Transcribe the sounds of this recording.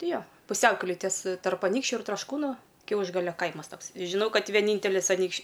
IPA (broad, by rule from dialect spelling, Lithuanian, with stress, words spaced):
ˈtʲɪ ˈjoː pʊˈsʲɛʊkʲɛlʲeːj tʲiɛs tɐrp ɐˈnʲiːkʃʲt͡ʃʲʊ ɪr trɐʃˈkuːnʊ ˈkʲɛʊʒɡɐlʲoː ˈkɐɪmɐs ˈtoːks ʒʲɪˈnɐʊ ˈkɐt ʋʲiɛˈnʲiːnʲtʲɛlʲɪs ɐˈnʲiːkʃʲ